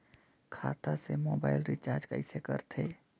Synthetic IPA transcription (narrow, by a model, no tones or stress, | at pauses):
kʰa̰ːt̪asemoːbaːɪlɾɪt͡ʃaːɾd͡ʒkəɪsekəɾt̪ʰeː